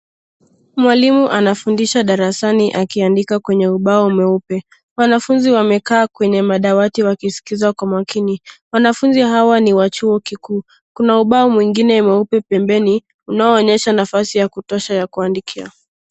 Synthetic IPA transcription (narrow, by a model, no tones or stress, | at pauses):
mwalimuʔanafundiʃaɗaɾasaniʔakiandikakwɛɲɛuɓaɔumɛupɛ | wanafunziwamɛkaːkwɛɲɛmaɗawatiwakisi̥kizakwamwakiniwanafunziɦawaniwat͡ʃuɔkikuː | kunauɓaɔmwiŋɡinɛumɛupɛpɛmbɛni | unaɔːɲɛʃanafasijakutɔʃajakuandikʰia̰